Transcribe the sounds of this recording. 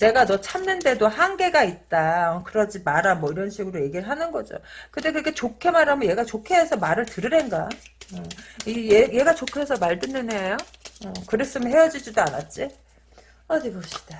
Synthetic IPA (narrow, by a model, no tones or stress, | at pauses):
t͡ɕe̞ɡanʌt͡ɕʰamnɯnde̞dohanɡe̞ɡait̚t͈akɯɾʌd͡ʑimaɾamwʌiɾʌnɕʰiɡɯɾoje̞ɡiɾɯɭɦanɯnɡʌd͡ʑo̰kɯnde̞kɯɡe̞t͡ɕokʰe̞maɾɦamjʌje̞ɡat͡ɕokʰe̞ːsʰʌmaɾɯɭtɯɾɯɾenɡa | ɯieje̞ɡat͡ɕokʰe̞sʰʌmaɭt͈ɯnːɯneajoʌkɯɾes͈ɯmɯɭɦe̞jʌd͡ʑid͡ʑidoana̰t̚t͡ɕ͈i | ʌdiɡʌɕi̥d̥a